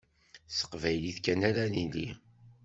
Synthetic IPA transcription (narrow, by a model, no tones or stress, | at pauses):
sə̥qvæjliθkːænaɾanilḭ